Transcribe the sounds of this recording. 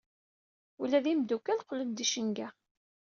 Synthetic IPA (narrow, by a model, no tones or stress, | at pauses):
ulæðimd̪ukːælqlənd̪iʃəŋɡæ